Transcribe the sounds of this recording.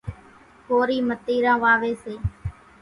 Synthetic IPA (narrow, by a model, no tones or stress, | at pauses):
koːɾiːmət̪iːɾãːʋaːʋeːseː